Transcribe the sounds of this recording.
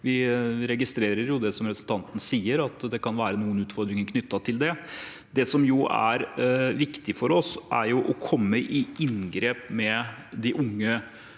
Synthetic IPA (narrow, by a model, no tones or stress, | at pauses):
ʋɪɾɛɡɪst̪ɾeːɾəɾjʊd̪ɛsɔmɾɛpsl̩t̪ʰɑnt̪n̩siːəɾɑt̪d̪ɛkʰɑnʋæːɾənuːənʉːt̪fɔɾd̪ɾɪŋənkʰnʏt̪ːɑt̪ʰɪld̪ɛ | d̪ɛsɔmjʊʔæ̰ɾʋɪkt̪ɪfɔɾɔsʔæɾjʊʔɔkʰɔmːəʔɪɪnɡɾeːpmɛ | d̪ɪʔʊŋːə